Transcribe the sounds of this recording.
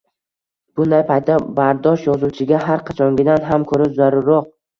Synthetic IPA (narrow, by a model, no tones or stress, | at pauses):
b̥ʊnd̪ajpʰajt̪ʰːabaɾd̪ɒʃjɒzuwt͡ʃʰɪɡʲaɦaɾqʰɑt͡ʃʰɒŋɡʲɪd̪anɦamkʰɵɾɪʃzaɾʊɾoq̚